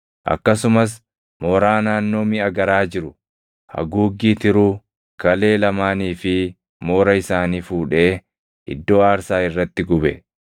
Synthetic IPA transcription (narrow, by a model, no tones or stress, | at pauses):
ʔɐ̰kːɐsʊmɐs̬ | moːɾaːnaːnːo̞ːmɪɐɡɐɾaːd͡ʒɪɾʊ | hɐ̰ɡuːɡːiːt̪ɪɾu | kɐle̞ːlɐmaːniːfɪ | moːɾɐɪsaːniːfuːᶑe̞ː | ʔɪ̰d̪ːo̞ːaːɾsaːɪrːɐt̪ːɪɡʊbɛ̰